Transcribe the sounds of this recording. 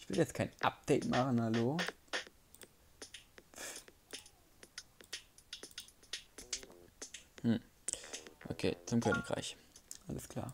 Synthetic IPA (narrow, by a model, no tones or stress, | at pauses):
ʔɪçv̥ɪljɛt͡stkʰaɪnʔap̚d̥ɛɪtmaχn̩haloː | mm̩ | ʔokʰḛːt͡sʊmkʰøːnɪçkʁ̥a̰ɪçʔaləskʰl̥a̰ːɐ